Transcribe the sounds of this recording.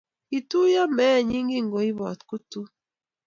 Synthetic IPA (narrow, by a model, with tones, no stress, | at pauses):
i˨tu˦ja˦mɛː˦˨ɲi˦ŋɡi˦ŋɡo˨i˦βɔ̰˨t̪ku˦tu˦